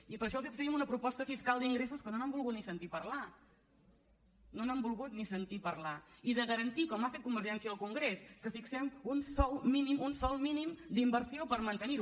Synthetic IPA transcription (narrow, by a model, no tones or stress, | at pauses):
ipəɾʃ̬ɔlˠzifəɾimunəpɾupɔst̪əfiskalˠd̪iŋɡɾesuskənonɛmbulˠɣut̪nisənt̪ipərla | nonɛmbulˠɣut̪nisənt̪ipəɾlaiðəɣəɾənt̪ikɔmafet̪̚kumbəɾʒɛnsiəːlˠkuŋɡɾeskəfiksɛmunsɔwminimunsɔlˠminimd̪imbəɾsiopəɾmənt̪əniɾu